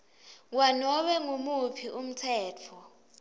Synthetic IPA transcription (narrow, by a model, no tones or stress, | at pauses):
wanɔɓɛŋumupʰiʔum̩tʰɛːt͡fʰɔ